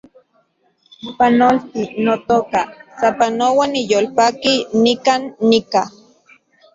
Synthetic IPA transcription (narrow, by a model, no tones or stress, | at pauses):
panolt̪inot̪okasapanowanijolpakinikanːika